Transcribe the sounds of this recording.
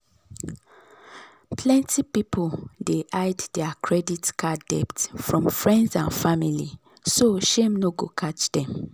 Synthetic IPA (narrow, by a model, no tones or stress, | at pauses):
pʰlɛ̃ntʰipipʰoldeʔaɪddɛakʰɹɛditkʰadɛptfɹɔ̃mfɹɛ̃ndzãnfamili | soʃẽmnoɡokʰat͡ʃdɛ̃m